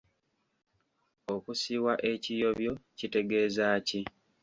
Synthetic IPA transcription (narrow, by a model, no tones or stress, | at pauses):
o̞kusiːwaʔe̞cijo̞βjo̞cite̞ɡe̞ːzaːci